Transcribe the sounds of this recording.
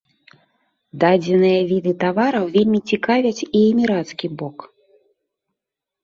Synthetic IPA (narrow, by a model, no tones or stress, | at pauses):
d̪ad͡zʲɛnɨjɐvʲid̪ɨt̪avaɾɐwvʲelʲmʲit͡sʲikavʲɐt͡sʲiɛmʲiɾat̪skʲibɔk